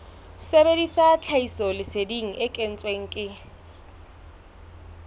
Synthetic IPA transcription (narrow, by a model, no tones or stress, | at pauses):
sebedisat͡ɬʰaisɔlɪsediŋ̩ʔɪkʼen̩t͡sʼweŋ̩kʼɪ